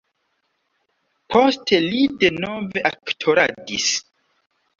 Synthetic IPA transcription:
pʰostʰe̞lideno̞ve̞ʔaktʰoɾadis

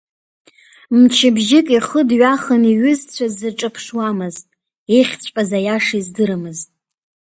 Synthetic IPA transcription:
mt͡ʃʰɪbʒɪkʼiχədɥaχəniɥʏzt͡sʷʰazːɨʈ͡ʂʼɨpʰʂwamɨztʼ | eχʲt͡sʷʼpʼazajaʂizdɨɾɨmɨztʼ

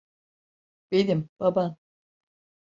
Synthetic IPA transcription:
b̥ed̪imb̥aban

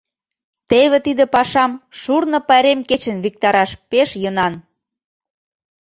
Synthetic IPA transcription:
t̪eβĕt̪id̪ĕpɑʃɑmʃurnɤ̆pɑɾemket͡ɕə̆nβik̚t̪ɑɾɑʃpeʃjənɑn

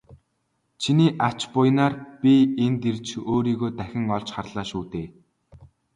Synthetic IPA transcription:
t͡ɕʰiniːʔḁt͡ɕpʊjnaːrpʲient̪irt͡ɕoːɾiːɣoːt̪æxʲɪ̆ŋɔɮt͡ɕχarɮ̥aːʃuːt̪eː

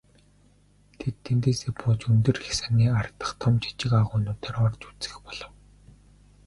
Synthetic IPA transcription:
t̪ʰet̪ʰːent̪eːsepʰʊːt͡ɕunt̪ɵ̆rxsaniːart̪ə̆χt̪ʰɔmt͡ɕʰḁt͡ɕɪ̆kaʁʊːnʊːt̪eːɾɔrt͡ɕu̥t͡sɘ̥̆xpɔɮɞ̆w

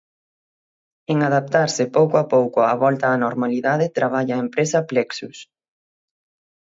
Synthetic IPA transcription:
eŋaðap̚t̪aɾsɪpowkoapowkʊaβɔlt̪ɐːnoɾmaliðaðɪt̪ɾaβ̞aʎaːempɾesɐplɛksus

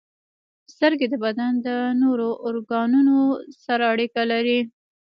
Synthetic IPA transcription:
st̪əɾɡed̪əbad̪and̪ənoɾoʔːɾɡɑnunosaɾaaɽikalaɾi

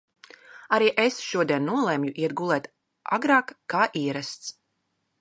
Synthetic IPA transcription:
aɾiːʔesʃuɔd̪iɛnːuɔlˠɛmjuʔiɛd̪̚ɡulˠɛːt̪ | a̰ɡɾɑːkːaːʔiːɛɾast̪s

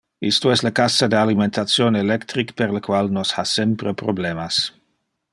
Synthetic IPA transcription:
ist̪oɛslakasad̪ealiment̪at̪sjonelɛkt̪ɾikpeɾləkwalnoshasɛmpɾepɾoblemas

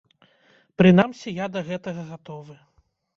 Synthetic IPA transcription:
pɾɨnamsʲijad̪ɐɣɛt̪ɐɣɐɣat̪ɔvɨ

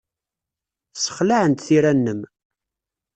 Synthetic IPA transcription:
sə̥χlaʕənt̪θiɾænːəm

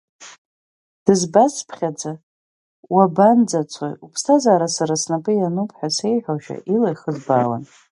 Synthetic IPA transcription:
d̥ɨzbaspʰχʲad͡za | waband͡zat͡sʷʰa̰jupʰstʰazaːɾasaɾasnapʼɨjanupʰʼħʷᶣase̞jħʷᶣaʃᶣa̰ʔilajχəzbaːwa̰n

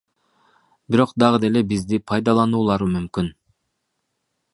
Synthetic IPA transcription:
biɾo̞qd̪ɑʁɯd̪e̞le̞bizd̪ipʰɑjd̪ɑlˠɑnuːlˠɑɾɯmymkyn

